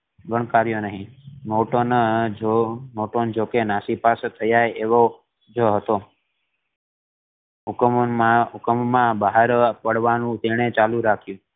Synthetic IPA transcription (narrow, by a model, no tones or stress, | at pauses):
ɡəɳ̃kaɾjonəɦĩmoʈon | moʈond͡ʒokenasipaset̪ʰəjaɾeʋo | d͡ʒəɦət̪o | ukmmaukəmmãbəɦaɾpəɽʋanũt̪eɽ̃et͡ʃalũɾakʰjũ